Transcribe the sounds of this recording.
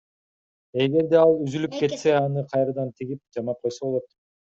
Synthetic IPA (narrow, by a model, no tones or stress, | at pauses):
e̞ɡe̞ɾd̪e̞ɑlˠyzylypke̞t̪se̞ɑnɯqʰɑjɾɑd̪ɑnt̪ʰiɡip̚d͡ʒɑmɑp̚qʰo̞jsoβo̞lˠot̪